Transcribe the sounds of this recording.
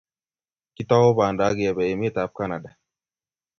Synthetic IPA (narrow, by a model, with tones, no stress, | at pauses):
ki˦tɔ˦o˦ba˨nda˨˦ɡi˨ɛ˨bɛ˨je˨m˦e˦˨ta˨˦p̚ka˦na˨da˨